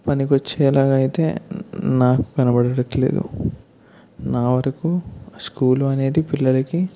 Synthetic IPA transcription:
pɐnikot͡ʃːeːlaːɡaːjit̪e̞̰ːnaːkukɐnɐbɐɽɐɽɐʈle̞̰ːd̪ṵ | naːʋɐɾɐkuskuːluɐne̞ːd̪ipilːɐlɐki

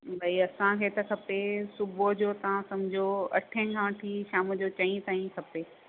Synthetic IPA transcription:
bɐiɐsãkʰeːt̪ɐkʰɐpesʊbod͡ʑoːt̪ɐʋ̤ãsɐmd͡ʑʱoɐ̰ʈʰə̃kʰãːʈʰiːʃaːmʊd͡ʑot͡ɕɐ̃ĩt̪aːĩkʰɐpeː

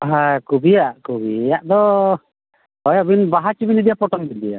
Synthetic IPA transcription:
ɦakubijaʔkubijaʔd̪ɔ | ɔjabinbaɦat͡ʃibinid̪ɛjapɔʈɔŋbil̚d̪ɛja̰

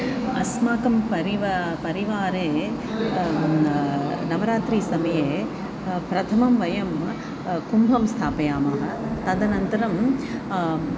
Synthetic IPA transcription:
ɐsmaːkɐmpɐɾiʋɐpɐɾiʋaːɾeː | nɐʋɐɾaːt̪ɾiːsɐmɐjeː | pɾɐt̪ʰɐmɐmʋɐjɐm | kumbʱɐmst̪ʰaːpɐjaːmaːɦɐ̆t̪ɐd̪ɐnɐnt̪ɐɾɐm

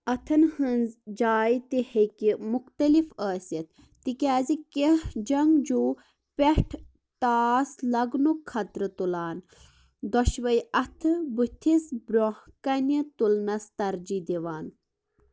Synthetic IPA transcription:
ɐt̪ʰɐnhɨnzd͡ʒaːjt̪ihekimuxt̪ɐlifəːsɐt̪̚ː | ikʲaːzikehd͡ʒɐŋɡd͡ʒuː | pʲeʈʰ | ʈ̪aːslɐɡnukʰːɐt̪ɾɨt̪ulaːn | d̪ɔʃʋɐjʔɐt̪ʰɨbut̪ʰisbɾohkɐnɐt̪ulnɐst̪ɐɾd͡ʒid̪iʋaːn

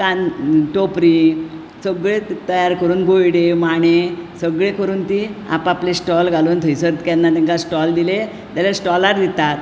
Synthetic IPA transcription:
kanʈopɾi | səɡɭet̪əjaɾkəɾuːnbʱojɽemaɳ̃esəɡɭekəɾuːnt̪ia̰paplesʈɔlɡʱaloːnt̪ʰəjsəɾt̪kanːat̪ɛŋkasʈɔld̪ile | t̪alesʈɔlaɾd̪it̪at̪

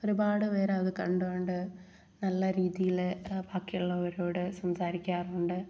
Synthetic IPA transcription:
oɾubaːɽɨʋeːɾeɐðɨkɐɳɖuʋoɳɖɨ | nɐlːɐɾiːðijilbaːkːijuɭːɐʋɐɾoːɽɨsɐmsaːɾikʲːaːruɳɖɨ

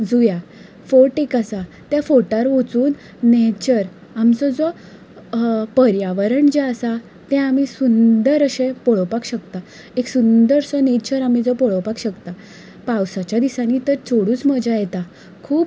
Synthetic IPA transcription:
d͡zuja | foʈekasa | t̪jafoʈaɾʋot͡suːnː | et͡ɕəɾ | amt͡sɔd͡zɔ | pəɾjaʋəɾəɳd͡ʑeəsa | t̪ɛ̃amisund̪əɾəɕẽpɔɭɔpakɕəkt̪a | eksund̪əɾsɔnet͡ɕəɾamid͡zɔpɔɭɔpakɕəkt̪a | pawsat͡ɕjad̪isãniːt̪əɾt͡soɽuːt͡sməd͡ʑajɛt̪a | kʰuːp

